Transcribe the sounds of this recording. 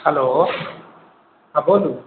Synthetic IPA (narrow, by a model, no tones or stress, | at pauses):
haloː | habodu